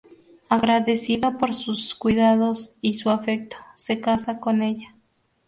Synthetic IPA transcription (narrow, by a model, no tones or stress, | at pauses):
aɣɾaðesiðapoɾsuskwiðaðosisuafek̚t̪o̥sekasakoneʝa